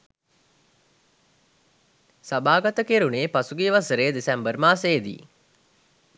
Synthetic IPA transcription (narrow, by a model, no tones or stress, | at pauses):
sabaːɡat̪əkeɾuneːpasuɡiːʋasəɾeːd̪esɛmbərmaːseːd̪ḭː